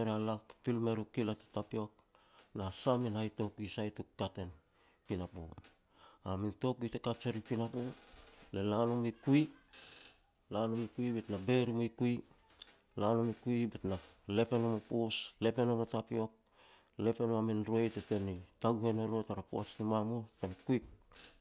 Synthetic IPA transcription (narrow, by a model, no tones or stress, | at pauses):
eɾealakfilme̞ɾukilate̥tapio̞k̚ | nasaminajto̞kuisajtukkate̞n | pinapo̰ | aminto̞kuitekat͡ʃeɾipinapolelanomikui | lanomikuibetnabe̞ɾimoikui | lanomikuibetnale̞pe̞nomopusle̞pe̞nomotapio̞k̚ | le̞pe̞noamenɾoejtete̞nitaɡuhe̞noɾotaɾapo̰at͡ʃtimamutenkuik̚